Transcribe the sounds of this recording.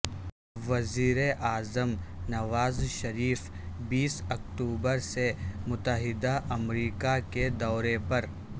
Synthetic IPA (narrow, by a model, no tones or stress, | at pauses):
ʋɐziːɾeʔaːzəmnɐʋaːzʃɐɾiːf | biːsɐk̚ʈuːbəɾsemʊt̪əɦɪd̪aʔɐmɾiːkaked̪ɔːɾepɐɾ